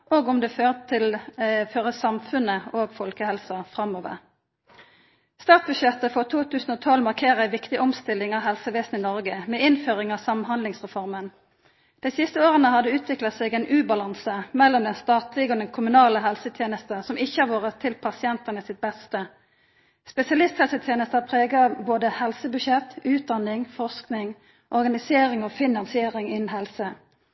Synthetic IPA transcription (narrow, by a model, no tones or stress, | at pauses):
oːɡɔmd̪ɛːføːʁt̪ʰɪlføːʁəsɑmfʉnəoːɡfɔlkəhɛlsɑfʁɑmːoːʋə̰ʁ | st̪ɑːt̪̚bʉdʃjɛt̪ːəfɔʁt̪ʰuːt̪ʰʉːsn̩oːt̪ʰɔlmɑʁkʰeːʁəæɪʋɪkt̪ɪʔɔmst̪ɪlːɪŋɑʋɦɛlsəʋeːsn̩ɪnɔʁɡəmɛːɪnføːʁɪŋɑʋsɑmnɦhɑnd̪lɪŋsʁɛfɔʁmən | d̪̥æɪsɪst̪əoːʁənəhɑd̪əʉːt̪ʰʋɪklɑt̪sɛːɡɛnʔʉːbɑlɑnsəmɛlːɔmd̪ɛnst̪ɑːt̪lɪɡod̪ɛnkʰʊmʉnɑːləɦɛlsət̪ʰjeːnəst̪əsɔmɪçːəhɑʋoːʁət̪ʰːɪlpʰɑsɪɛnt̪ənəsɪt̪̚bɛst̪ə | spɛsɪɑlɪst̪hɛlsət̪ʰjeːnəst̪əpʰʁeːɡɑboːd̪əhɛlsəbʉʃɛt̪ːʉːt̪̚d̪ɑnɪŋfɔʁsknɪŋ | ʔɔʁɡɑnɪseːɾɪŋofɪnːɑnsɪeːʁɪŋɪnːn̩ɦɛlsə